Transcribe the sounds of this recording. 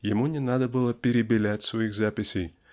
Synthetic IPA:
jɪmunʲɪnad̪əbɨlˠəpʲeɾʲɪbʲɪlʲætʲsvojixzapʲɪsʲej

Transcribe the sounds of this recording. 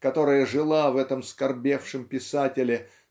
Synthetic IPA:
kɐt̪o̞ɾəjəʐɨlˠavɛt̪əmskɐrbʲe̞fʂɨmpʲɪsatʲɪlʲɪ

